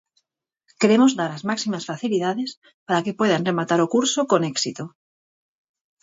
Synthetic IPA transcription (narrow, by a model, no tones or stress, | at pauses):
keɾemozðaɾazmaksimasfaθiliðaðes | paɾakepweð̞anremat̪aɾokuɾsokoneksit̪o